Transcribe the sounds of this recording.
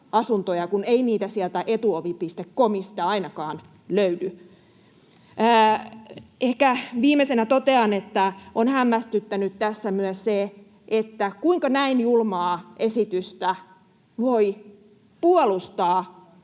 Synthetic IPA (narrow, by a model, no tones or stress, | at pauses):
ɑsunt̪ojɑkuneiniːt̪æsiælt̪æʔet̪uoʋipist̪ekkomisi̥t̪æɑinɑkɑːn | løydy | ehkæʋiːmːesenæt̪ot̪eɑnet̪ːæonhæmːæst̪yt̪ːænyt̪t̪æsːæmyœsse | ʔet̪ːækuiŋkɑnæinjulmɑːʔesit̪yst̪æ | ʋoi | puolust̪ɑː